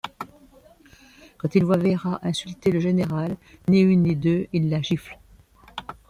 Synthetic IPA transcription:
kɑ̃t̪ilvwavɛʁaʔɛ̃sylt̪eləʒeneʁalniynːid̪øilːaʒifl

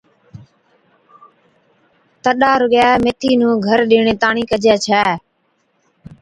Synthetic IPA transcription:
t̪əɗaːɾʊɡjɛːmeːt̪ʰiːnũːɡʱəɾɗɪːɳeːt̪aːɳiːkəd͡ʒɛːt͡ʃʰɛː

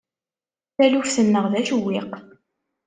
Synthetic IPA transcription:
θælufθənːəʁðæʃwːɪq

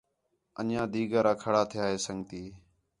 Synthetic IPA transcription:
ə̰njãːd̪iːɡaːɾaːkʰəɽaːt̪ʰɪjaːɦeːsəŋɡt̪iː

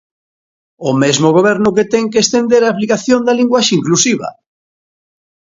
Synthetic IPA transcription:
ʊmezmoɣ̞oβ̞ɛɾnʊket̪ɛŋkeːst̪end̪eɾaːplikaθjond̪aliŋɡwaʃiŋklusiβɐ̰

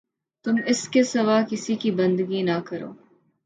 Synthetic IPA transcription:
t̪ʊmɪskesɐʋaːkɪsikibɐ̃nd̪ɡinakɐɾo̰ː

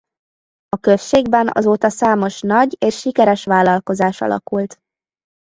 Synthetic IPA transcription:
ɒkøsʃeːɡbɛnʔɒ̰zoːt̪ɒsaːmo̞ʃnɒɟeːʃːikɛɾɛʃʋaːlːɒlko̞zaːʃɒ̰lʔɒ̰kult̪

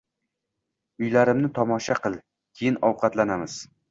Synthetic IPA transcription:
ʊjlaɾɪmnɪt̪ʰɒmɒʃaqɨlˠ | kʲʰejɪnɒwqʰɑt̪lanamɪz̥

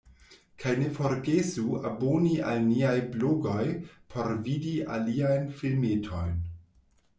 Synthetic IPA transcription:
kʰajne̞fo̞ɾɡesuabonia̰lniajbloɡo̞jpʰo̞ɾvidia̰liajnfilmetʰo̞jn

